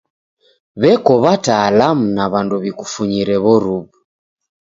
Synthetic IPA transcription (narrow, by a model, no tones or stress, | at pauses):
βɛkɔβataːlamunaβanduβikufuɲiɾɛβɔɾuβu